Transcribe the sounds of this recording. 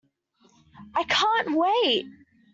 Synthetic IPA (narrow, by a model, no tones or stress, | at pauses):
aɪkʰæ̃nʔweɪt̚